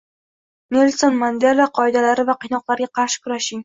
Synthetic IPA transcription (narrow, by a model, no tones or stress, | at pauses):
melsonmand̪elːaqʰɒjd̪alaɾɪvaqʰɨjnɒqlˠaɾɡʲaqʰɑɾʃɪ̥kʰʊɾaʃɪŋ